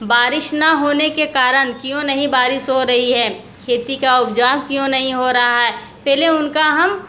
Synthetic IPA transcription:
baːɾɪʃnɐɦoːnekekaːɾəɽ̃kjõnɐɦĩbaːɾɪsɦoɾɐɦiɦɛː | kʰeːt̪ikaʊpd͡ʒaːʋkjõnɐɦĩɦoɾɐɦaɦɛːpɛɦleʊnkaɦɐm

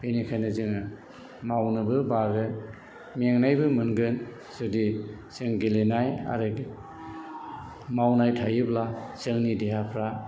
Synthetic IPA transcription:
benikʰajnɯzɯŋ | mawnɯbɯbaɡɯ | meŋnajbɯmɯnɡɯn | sɯdi | sɯŋɡelenaja̰ɾɯɡ | mawnajtʰajɯblasɯŋnideɦapʰɾa

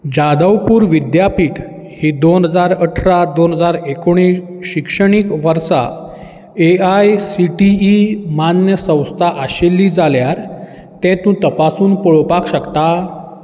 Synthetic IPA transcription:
d͡ʑad̪əwpuːɾʋid̪japiːʈ | hiːd̪onɦəd͡zaɾəʈʰɾad̪onɦəd͡zaɾekoɽ̃iːs | ɕikʂəɽ̃iːkʋəɾsa̰ | eajsiʈiimanjəsə̃w̃st̪ʰaʔaɕelːiːd͡zaljaɾ | t̪ɛ̃t̪ũt̪əpasuːnpəɭopakɕəkt̪a

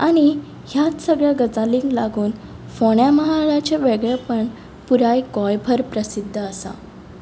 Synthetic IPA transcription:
aɽ̃i | ɦjat̪səɡɭjaɡəd͡zaliŋɡlaɡuːn | foɳjaməɦaɭat͡ɕeʋeɡɭepəɳ | puɾajkɔjbʱəɾpɾəsid̪ʱːəəsa̰

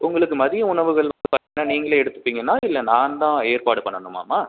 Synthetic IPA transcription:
ʊŋɡɐɭɯkːɯmɐðɪjɐʊɳɐʋɯɣɐɭʋɐnd̪ɯpaːɾt̪iŋɐnːaːniːŋɡɐɭeɛɽɯt̪ːɯ̥pːiːŋɡɐnːaːɪlːɐnaːnt̪ãːeːɾpaːɽɯpɐɳːɐnɯmːa̰ːmːaː

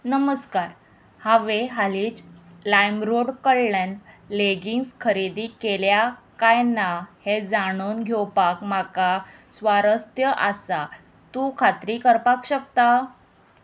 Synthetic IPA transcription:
nəməskaɾ | haʋeɦaliːt͡slajmɾoɽkəɭlenleɡiŋɡskʰəɾid̪iːkeljakajnahed͡zaɽ̃onɡʱewpakmakasʋaɾəst̪jəʔasa | t̪ukʰat̪ɾiːkəɾpakɕəkt̪a

